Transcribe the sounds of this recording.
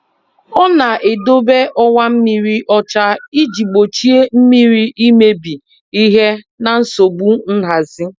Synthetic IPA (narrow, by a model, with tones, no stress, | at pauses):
ɔ˦na˨ʔe˨do˦be˦ʔɔ˦ŋʷa˦m̩˦mi˦ɾi˦ʔɔ˦t͡ʃa˦i˦d͡ʒi˨ɡ͡bo˨t͡ʃi˦e˦m̩˦mi˦ɾi˦ʔi˦me˦bi˨ | i˦ɦe˦ | na˨n̩˦so˨bu˦n̩˦ɦa˨zi˦